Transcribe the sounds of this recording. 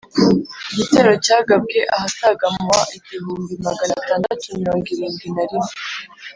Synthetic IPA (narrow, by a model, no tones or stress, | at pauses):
iɟite̞ɾo̞caːɡab̚ɡe̞ʔahasaɡamwaʔiɟiɦuːmbimaɡanataːndatumiɾo̞ːŋɡiɾiːnɡinaɾime